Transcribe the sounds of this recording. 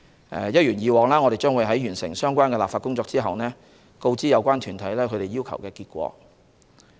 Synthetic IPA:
ʔɛ̰ː˨˩jɐ˥t̚jyː˨˩njiː˨˧wɔː˨˩ŋlaː˥ŋɔː˨˧e˨jt͡ʃœː˥ŋwuː˨˧jɦɐ˨˥jyː˨˩nsɪ̰˨˩ŋsœː˥ŋkʷaː˥nkɛ˧laː˨pfaː˧tkːʊ˥ŋt͡sɔː˧k̚t͡siː˥ɦɐ˨wnɛː˥ | ko˧wt͡siː˥jɐ˨˧wkʷaː˥nt̪ʰyː˨˩nt̪ʰɐ˨˥jlɛː˥kʰɵ˨˧ɥɾe˨jiː˥wkʰɐ̰˨˩wkɛː˧kiː˧t̚kʷɔ̰ː˧

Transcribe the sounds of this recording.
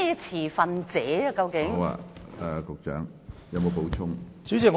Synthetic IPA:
ɛː˨˧t͡sʰiː˨˩fɐ˨nt͡sɛː˨˦ɐ˧kɐ˧wkɪ˨˥ŋ˧˦wa̰ː˧ɛ˨kʊ˨k̚t͡ʃœ̰ː˨˥ŋjɐ˨˧wmo˨˧wpo˨˥wt͡ʃʰʊ˥ŋt͡syː˨˥t͡si˨ŋ

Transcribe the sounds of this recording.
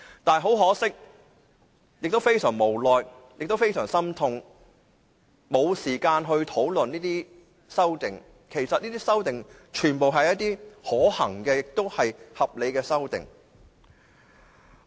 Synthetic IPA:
t̪aː˨n˩ɦo˨˥wɦɔː˨˥sɪ˥k̚ | jɪ˨k̚t̪o˥wfe˥jsœː˨˩ŋmo˨˩wlɔː˨j | jɪ˨k̚t̪o˥wfe˥jsœː˨˩ŋsɐ˥mt̪ʰʊ˧ŋ | mo˨˧wsiː˨˩kaː˧nɦɵ˧ɥt̪ʰo˨˥wlɵ˨niː˥t̪iː˥ | sɐ˥wt̪ɪ˨ŋ | kʰe˨˩jsɐ˨t̚niː˥t̪iː˥sɐ˥wt̪ɪ˨ŋ | t͡ʃʰyː˨˩npo˨wɦɐ˨jɐ˥t̚t̪iː˥hɔː˨˥hɐ˨˩ŋkɛː˧jɪ˨k̚t̪o˥whɐ˨jhɐ˨p̚le˨˧jkɛː˧sɐ˥wt̪ɪ̰˨ŋ

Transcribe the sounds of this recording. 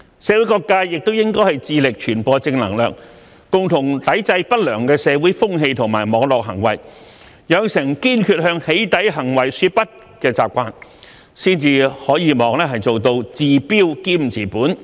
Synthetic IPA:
sɛː˨˧wu˨˥jkɔː˧kːaː˧jɪ˨k̚t̪o˥wjɪ˥ŋkɔː˥jhɐ˨jt͡siː˨˧lɪ˨k̚t͡ʃʰyː˨˩npɔː˧t͡sɪ˧ŋlɐ̰˨˩ŋlœː˨k̚ | kʊ˨ŋt̪ʰʊ˨˩ŋt̪ɐ˨˥jt͡sɐ˧jpɐ˥t̚lœː˨˩ŋkɛː˧sɛː˨˧wuː˨˥jfʊ˥ŋɦe˧jt̪ʰʊ˨˩ŋmaː˨˩jmɔː˨˧ŋlɔː˨k̚ɦɐ̰˨˩ŋwɐ̰˨˩j | jɐ˨˧sɪ˨˩ŋkiː˥nkʰyː˧t̚hœː˧ŋhe˨˥jt̪ɐ˨˥jɦɐ˨˩ŋwɐ˨˩jsyː˧t̚pɐ˥t̚ | kɛː˧t͡sa̰ː˨p̚kʷaː˧n | siː˥nt͡siː˧hɔː˨˥jiː˧mɔː˨˧ŋlɛː˥ɦɐ˨jt͡so˨wt̪o˧wt͡siː˨piː˥wkiː˥m̩˨˩t͡siː˨˩puː˨˥n

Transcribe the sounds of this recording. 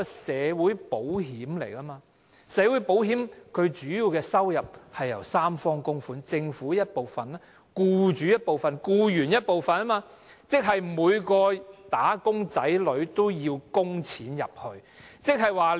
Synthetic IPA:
sɛː˨˧wuː˨˥jpo˨˥wɦiː˨˥mlḛ˨˩jaː˥maː˧ | sɛː˨˧wu˨˥jpo˨˥whiː˨˥mkʰɵ˨˧ɥt͡ʃyː˨˥jiː˧wkɛː˧sɐ˥wjɐ˨p̚hɐ˨jːɐ̰˨˩wsaː˥mfɔː˥ŋkʊ˥ŋfuː˨˥nt͡sɪ˧ŋfuː˨˥jɐ˥t̚po˨wfɐ˨na˥ | kuː˧t͡ʃyː˨˧jɐ˥t̚po˨wfɐ˨nkuː˧jyː˨˩njɐ˥t̚po˨wfɐ˨nɐ˥maː˧ | t͡sɪ˥k̚ɦɐ˨jmuː˨˧jkɔː˧t̪aː˨˥kʊ˥ŋt͡sɐ˨˥jlɵ˨˧˥ɥt̪o˥wjiː˧wkʊ˥ŋt͡sʰiː˨˥njɐ̰˨p̚hɵ˧ɥ | t͡sɪ˥k̚ɦɐ˨jwaː˨

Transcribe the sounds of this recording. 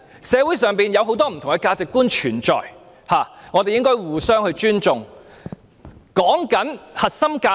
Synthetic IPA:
sɛː˨˧wuː˨˥jsœː˨˧ŋpiː˨njɐ˨˧wɦo˨˥wt̪ɔː˥m̩ʰ˨˩ʊ˨˩ŋkɛ˧kaː˧t͡sɪ˨kːuː˥nt͡ʃʰyː˨˩nt͡ʃɔ̰ː˨j | haː˨˩ŋɔː˨˧t̪e˨jɪ˥ŋkɔː˥jwuː˨˩sœː˥ŋhɵ˧ɥt͡ʃyː˥nt͡sʊ˨ŋ | kɔː˨˥ŋkɐ˨˥nhɐ˨t̚sɐ˥mkaː˧

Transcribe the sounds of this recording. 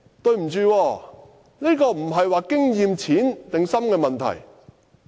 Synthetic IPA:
t̪ɵ˧ɥm̩˨˩t͡ʃyː˨˧wɔː˧ | ne˥kɔː˧m̩˨˩ɦɐ˨jwaː˨˧kɪ˥ŋjiː˨˧mt͡sʰiː˨˥nt̪ɪ˨ŋsɐ˥mkɛː˧mɐ˨nt̪ʰɐ̰˨˩j

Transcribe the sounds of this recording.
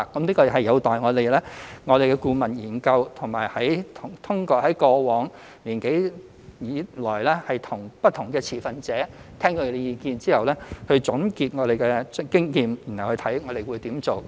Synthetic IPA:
kɐ˨˥mniː˥kɔː˧˨ɦɐ˨jːɐ˨˧wt̪aː˨jŋɔː˨˧t̪e˨jlɛː˥ŋɔː˨˧ɾe˨jkɛ˧kuː˧mɐ˨˩njiː˨˩nkɐ˧wt̪ʰʊ˨˩ŋma̰ː˨˩jhɐ˨˥jt̪ʰʊ˨˩ŋt̪ʰʊ˥ŋkɔː˧hɐ˨˥jkɔː˧wɔː˨˥ŋ | liː˨˩nke˨˥j | jiː˨˧lɔː˨˩jlɛː˥hɐ˨jt̪ʰʊ˨˩ŋpɐ˥t̚t̪ʰːʊ˨˩ŋkɛː˧t͡sʰiː˨˩fɐ˨nt͡sɛː˨˥t̪ʰɛː˥ŋk̪ɔː˧˨˧e˧jiː˧kiː˧nt͡siː˥hɐ˨wlɛː˥hɵ˧t͡sʊ˨˥nkiː˧t̚ŋɔː˨˧ɾe˨jkɛː˧kɪ˥ŋjiː˧mji˨˩nhwhɵ˧t̪ʰɐ˨˥jŋɔː˨˧t̪e˨˩jwu˨˧jt̪iː˨˥mt͡so˨w

